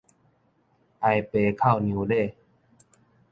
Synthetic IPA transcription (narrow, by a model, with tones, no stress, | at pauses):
ʔa˧jpeː˧kʰa˥˩wni˧wleː˥˩